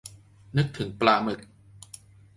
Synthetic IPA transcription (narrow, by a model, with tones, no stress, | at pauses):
nɯ˦˥k̚t̪ʰɯ˩˦ŋplaː˧mɯ˨˩k̚